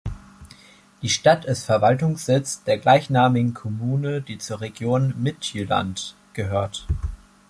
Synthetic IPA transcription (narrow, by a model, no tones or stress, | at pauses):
d̥iːʃtatɪstfɛɐvaltʊŋsz̥ɪt͡sd̥eːɐɡlaɪçnaːmɪɡŋ̩kʰɔmuːnəd̥iːt͡suːɐʁeɡjoːnmɪtyla̰nt | ɡ̥əɦøːɐt